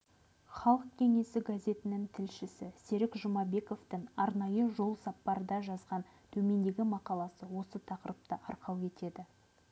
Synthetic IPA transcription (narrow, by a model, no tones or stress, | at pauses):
χɑlˠəq̚kʲʰe̞ŋe̞sɪɡazʲe̞t̪ɪnɪŋt̪ʰɪlʃɪsɪse̞ɾɪkʒʊmɑbe̞ko̞ft̪ɪŋɑɾnɑjəʒo̞lˠsɑpːɑɾəd̪ɑʒɑzʁɑn | t̪ʰɵme̞nd̪e̞ɡʲɪmɑqɑlˠɑsəwo̞sət̪ʰɑqəɾəp̚t̪əʔɑɾqɑwkʲe̞t̪e̞d̪ɪ